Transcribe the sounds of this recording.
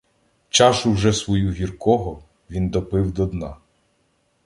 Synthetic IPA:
t͡ʃɑʃʊwʒɛsʋɔjuɦʲirkɔɦɔ | ʋʲind̪ɔpɪwd̪ɔd̪nɑ̰

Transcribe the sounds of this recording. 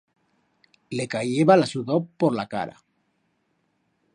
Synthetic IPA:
lekajeβalasuðoppoɾlaka̰ɾa̰

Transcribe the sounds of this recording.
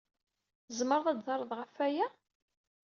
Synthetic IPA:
zməɾðˤɑdzɑɾˤəðˤʁəfːæjæ

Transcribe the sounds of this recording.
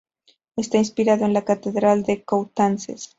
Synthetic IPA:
est̪ainspiɾaðoenlakat̪eðɾald̪e̞kowt̪ansḛs

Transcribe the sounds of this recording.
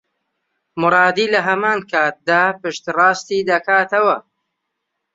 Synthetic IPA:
mɨɾˤɑːd̪iːlɐɦɐmaːnkʰaːt̪̚d̪aːpɨʃt̪rˤɑːst̪iːd̪ɐkaːt̪ɐwɐ

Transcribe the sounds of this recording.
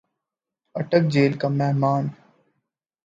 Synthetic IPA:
əʈək̚d͡ʒeːlkamɛɦmaːn

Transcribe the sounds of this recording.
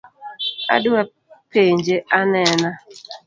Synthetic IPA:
a̰dʊa | peɲd͡ʒeʔanɛna

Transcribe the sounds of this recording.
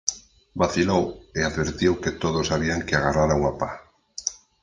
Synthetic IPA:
baθiloweaðβeɾt̪iwket̪oðosaβ̞iaŋkeaɣaraɾauŋapa

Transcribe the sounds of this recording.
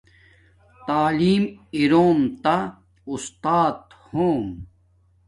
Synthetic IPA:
t̪aːliːmiɾoːmt̪a | ust̪aːt̪ | hoːm

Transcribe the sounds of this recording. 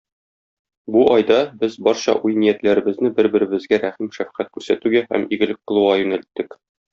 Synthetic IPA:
buʔɒjd̪ɑbɘzbɒɾɕɑ̰ʔujnijæt̪læɾɘ̆bɘ̆znɘbɘɾbɘ̆ɾɘ̆bɘ̆zɡæɾæχimʃæfqæt̪̚kʉɾsæt̪ʉɡæhæ̰miɡɘ̆lɘk̚qɤ̆lˠuʁɑjʉnælt̪ːɘk

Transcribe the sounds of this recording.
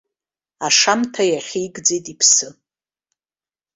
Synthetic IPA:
aʂamtʰajaχʲijɡd͡zejtʼipʰsɨ

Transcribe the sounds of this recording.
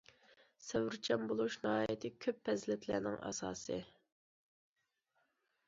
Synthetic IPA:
sæwɾt͡ʃʰɑmbolˠuʃnɑhɑːjit̪ʰɪkʲʰøpʰːɛzlɛt̪ʰlæ̰ːnɪŋʔɑ̰sɑ̰ːsɨ

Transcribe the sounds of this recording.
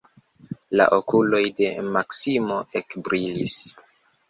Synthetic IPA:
la̰ʔo̞kulo̞jde̞maksimo̞ʔe̞kbɾilis

